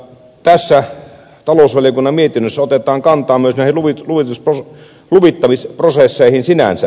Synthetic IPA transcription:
t̪æsːæ | t̪ɑloˑusʋɑlijokunːɑmmiet̪inːøsːæot̪et̪ˑɑːŋkɑnt̪ˑɑːmyøsnæˑihiluʋiluʋit̪uspro | luʋit̪ːɑmisprosesːeihinsinæ̰nsæ

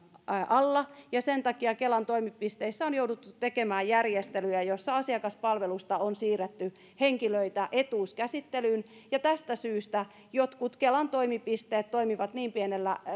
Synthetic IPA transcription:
ɑlːɑjɑsent̪ɑkiɑkelɑnt̪oimipːist̪eisːæonjoudut̪ːut̪tekemæːjærjest̪elyjæjosːɑɑsiɑkɑspɑlʋelust̪ɑonsiːret̪ːy | heŋkiløit̪æʔet̪uːskæsit̪ːelyːnjɑt̪æst̪æsyːst̪æ | jot̪kut̪kelɑnt̪oimipist̪eːt̪t̪oimiʋɑt̪niːmpienelːæ

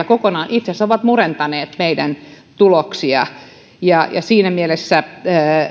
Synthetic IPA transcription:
ækokonɑːnʔit̪sesoʋɑt̪murent̪ɑneːt̪meidæn | t̪uloksiɑ̰ | jɑjɑ̰siːnæmielesːæ

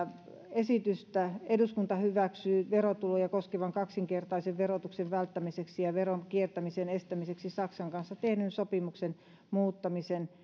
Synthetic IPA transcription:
esit̪yst̪æeduskunt̪ɑhyʋæksyːʋerot̪ulojɑkoskeʋɑŋkɑksiŋkert̪ɑiseʋʋerot̪ukseʋʋælt̪ːæmiseksijɑʋeronkiert̪æmisenest̪æmiseksisɑksɑŋkɑnsːɑt̪ehnynsopimuksen | muːt̪ːɑmisen

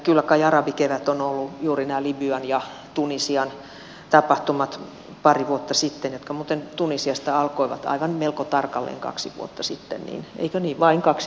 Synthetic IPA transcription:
kylːækɑjɑrɑbikeʋæt̪onolːujuːrinæːlibyɑnjɑ | t̪unisiɑn | t̪ɑpɑht̪umɑt̪ | pɑriʋuot̪ːɑsit̪ːenjot̪kɑmuːt̪ent̪unisiɑst̪ɑɑlkoiʋɑ̰t̪ɑ̰iʋɑnmelkot̪ɑrkɑlːḛːŋkɑ̰ksiʋṵot̪ːɑsit̪ːḛnnḭːnʔḛikøniːʋʋɑiŋkɑksi̥

